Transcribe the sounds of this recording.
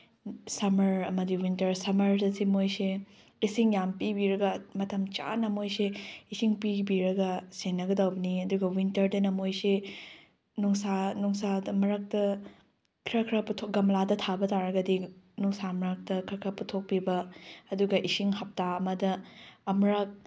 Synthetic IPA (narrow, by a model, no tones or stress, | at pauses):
sɐmɐɾɐmɐdiwintɐɾsɐmɐɾdɐsimojse | isiŋjampibiɾɐɡɐmɐtʰɐmt͡ʃa̰nɐmojseisiŋpibiɾɐɡɐsenːɐɡɐdɐwbɐniɐduɡɐwintɐɾdɐnɐmojse | nuŋsanuŋsadɐmɐɾɐk̚tɐ | kʰɾɐkʰɾɐputʰoɡɐmladɐtʰabɐtaɾɐɡɐdinuŋsamɐɾɐk̚tɐkʰɾɐkʰɾɐputʰok̚pibɐɐduɡɐʔisiŋhɐp̚taɐmɐdɐɐmɾɐk̚